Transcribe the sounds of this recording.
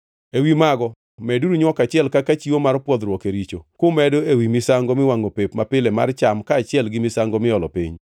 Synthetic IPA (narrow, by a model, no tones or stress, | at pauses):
ewimaɡɔ | mɛduɾuɲwɔkat͡ʃɪɛlkakat͡ʃiwomarpwɔd̪ɾwɔkeɾit͡ʃokʊmɛdoewimɪsaŋɡomɪwaŋopepmapɪlɛma̰rt͡ʃamkaːt͡ʃɪɛlɡɪmɪsaŋɡomɪɔlɔpḭɲ